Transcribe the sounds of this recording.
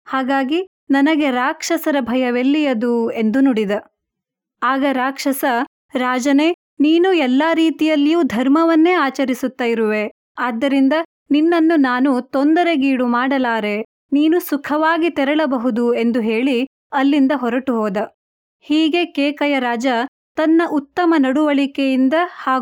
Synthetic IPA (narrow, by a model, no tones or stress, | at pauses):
haːɡaːɡi | nɐnɐɡe̞ɾaːkʂɐsɐɾɐbʱɐjɐʋelːijɐd̪ue̞nd̪unuɽid̪ɐ | aːɡɐɾaːkʂɐsɐ | ɾaːd͡ʒɐneː | niːnuɛlːaːɾiːt̪ijɐlːijuːd̪ʱɐɾmɐʋɐnːe̞ːaːt͡ʃɐɾisut̪ːaːjiɾuʋe̞ | aːd̪ːɐɾind̪ɐ | ninːɐnːunaːnut̪ond̪ɐɾe̞ɡiːɽumaːɽɐlaːɾe̞ | niːnusukʰɐʋaːɡit̪ɛɾɐɭɐbɐɦud̪ue̞nd̪uɦe̞ːɭi | ɐlːind̪ɐɦɔɾɐʈuɦɔːd̪ɐ | hiːɡe̞kɛːkɐjɐɾaːd͡ʒɐ | t̪ɐnːɐʔut̪ːɐmɐnɐɽuʋɐɭikejind̪ɐhaː